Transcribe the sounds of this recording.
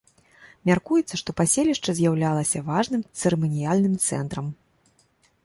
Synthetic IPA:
mʲarkujɛt̪sːɐʂt̪ɔpasʲelʲiʂt͡ʂɐzʲjawlʲalˠɐsʲɐvaʐnɨmt̪sɨɾɛmɔnʲijalʲnɨmt̪sɛ̰n̪t̪ɾɐm

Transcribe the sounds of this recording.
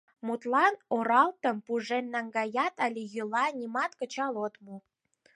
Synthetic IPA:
mut̪lɑnoɾɑlt̪əmpuʒemːɑŋɡɑjɑt̪ɑlʲijylɑnʲimɑt̪kə̆t͡ɕɑlot̪mu

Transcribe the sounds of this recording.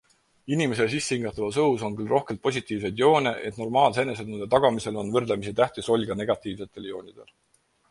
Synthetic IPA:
inimeses̬isːeiŋɡ̥ɑt̪ːˑɑvɑsɤwuso̞nkylro̞hke̞lt̪̚po̞sʲit̪ːˑiːvs̬ejd̪jo̞ːnʲeʔe̞t̪no̞rmɑːlse̞ne̞sed̪nund̪et̪ɑɡ̥ɑmise̞lo̞nvɤrd̪lemisit̪æht̪iso̞lʲɡ̥ɑne̞ɡ̥ɑt̪ːˑiːvse̞t̪ːˑe̞ljo̞ːnʲid̪̥e̞̰l

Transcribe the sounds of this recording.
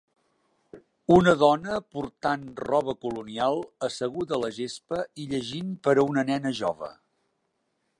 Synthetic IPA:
unəðɔnəpuɾt̪anrɔβ̞əkulunialˠəsəɣuðələʒespəiʎəʒinpəɾəunənɛnəʒɔβ̞ə̰

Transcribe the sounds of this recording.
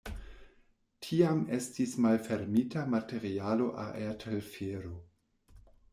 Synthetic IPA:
tʰiame̞stismalfeɾmitʰamate̞ɾialo̞ʔa̰ʔeatʰelfeɾo

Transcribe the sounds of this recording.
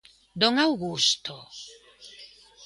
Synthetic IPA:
d̪oŋawɣust̪o

